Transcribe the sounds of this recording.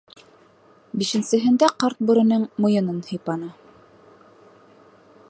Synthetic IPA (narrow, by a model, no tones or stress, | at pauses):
biʃɘ̆nsɘ̆ɦɘ̆nd̪æqɑɾt̪̚bŭɾɘ̆nɤŋmŏjɤ̆nɤnhĭjpɑnɑ